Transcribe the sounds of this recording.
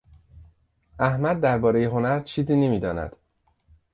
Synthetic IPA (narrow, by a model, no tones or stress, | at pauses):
ʔæhmæd̪̚ːæɾbɒːɾe̞jeɦo̞næɾt͡ʃʰiːziːnemiːd̪ɒːnæ̰d̪̥